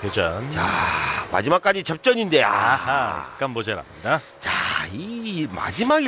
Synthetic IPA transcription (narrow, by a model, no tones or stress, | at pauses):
pjet͡ɕʌnt͡ɕama̰d͡ʑimak͈ad͡ʑit͡ɕʌp̚t͡ɕ͈ʌɲinde̞a̰ | k͈anbod͡ʑeɾa̰mɲida | t͡ɕaima̰d͡ʑimaɡ